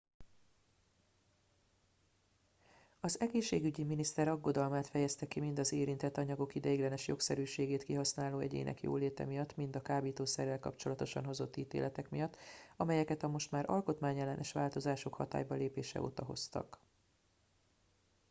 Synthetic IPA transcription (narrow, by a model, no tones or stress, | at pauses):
ɒzɛɡeːʃːeːɡyɟiminist̪ɛɾɒɡːo̞d̪ɒlmaːt̪fɛjɛst̪ɛkimind̪ɒzeːɾint̪ɛt̪ːɒɲɒɡo̞kid̪ɛjiɡlɛnɛʃjo̞ksɛɾyːʃeːɡeːt̪kiɦɒsnaːloːɛ̰ɟḛːnʔɛ̰kjo̰ːleːt̪ɛ̰mijɒt̪ːmind̪ɒkaːbiːt̪oːsɛrːɛlkɒpt͡ʃo̞lɒt̪o̞ʃɒ̰nɦo̞zo̞t̪ːiːt̪ḛːlɛt̪ɛkmijɒt̪ːɒmɛjɛkɛt̪ɒmo̞ʃt̪maːɾʔɒ̰lko̞t̪maːɲɛlːɛnɛʃʋaːlt̪o̞zaːʃo̞khɒt̪a̰ːjbɒleːpeːʃɛ̰o̰ːt̪ɒɦo̞̰st̪ɒ̰k